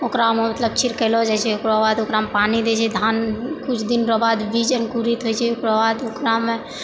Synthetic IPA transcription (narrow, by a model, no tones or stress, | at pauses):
okɾamemət̪ləb̚t͡ʃʰiɾkɛlɔd͡ʒat͡ʃʰɛokɾɔbad̪okɾamepanid̪et͡ʃʰɛd̪ʱankut͡ʃʰd̪inɾɔbad̪bid͡ʒənkuɾit̪ɦojt͡ʃʰɛokɾɔbad̪okɾame